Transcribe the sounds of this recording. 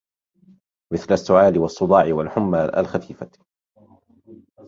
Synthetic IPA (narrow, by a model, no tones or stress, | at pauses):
mɪθlasːʊʕaːlɪwɑsˤːʊd̪ˤɑːʕɪwalħʊmːaːlʔa̰lxafiːfa